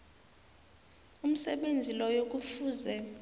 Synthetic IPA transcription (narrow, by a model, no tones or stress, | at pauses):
um̩sɛɓend͡zʱilɔjok̬ʼufuːzɛ